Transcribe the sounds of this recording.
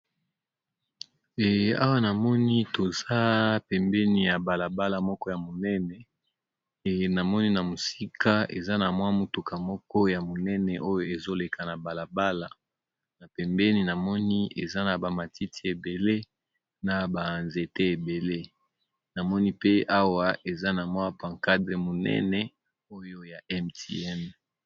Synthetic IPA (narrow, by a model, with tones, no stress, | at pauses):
ɛ˨a̰˦wa˦na˨mɔ˦ni˦to˨za˦pɛ˨mbɛ˦ni˨ja˨ba˨la˨ba˦la˨mɔ˦kɔ˦ja˨mo˨nɛ˦nɛ˨ | na˨mɔ˦ni˦na˨mo˨si˦ka˦ḛ˨za˦na˨mwa˦mo˨tu˨kʰa˨mɔ˦kɔ˦ja˨mo˨nɛ˦nɛ˨ʔo˦jo˦e˨zo˦le˨kʰa˨na˨ba˨la˨ba˦la˨ | na˨pɛ˨mbɛ˦ni˦na˨mɔ˦ni˦ḛ˨za˦na˨ba˨ma˨ti˦ti˦e˨be˨le˦ | na˨ba˨nze˨te˦e˨be˨le˦ | na˨mɔ˦ni˦pe˦ʔa˦wa˦ʔe˨za˦na˨mwa˦pã˨ŋka˦dʁe˨mo˨nɛ̰˦nɛ˦ | o˦jo˦ja˨ɛ˦mti˦ɛ˦n